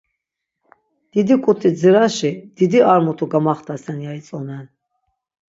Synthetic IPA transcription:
d̪̥id̪ikʼut̪ʰid͡ziɾaʃid̪̥id̪iaɾmut̪ʰuɡamaχt̪ʰasɛnjait͡sʼɔmɛn

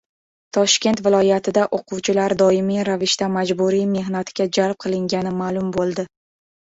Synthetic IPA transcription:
t̪ʰɒʃkʲe̞nt̪vɪlˠɒjat̪ʰɪd̪aʔoqʊwt͡ʃʰɪlaɾd̪ɒɪmiɾavɪʃt̪amad͡ʒbuɾijme̞ɦnat̪ʰɪɡʲad͡ʒalp̚qʰɨlˠɪŋɡʲanɪmalˠʊmbolˠd̪ɪ

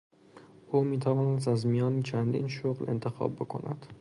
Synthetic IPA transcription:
umit̪ʰavɒːnas̬azmijɒnit͡ʃʰand̪ḭnʃoɣlḛnt̪ʰɪxɒ̰bbokʰo̰nʔad̪̥

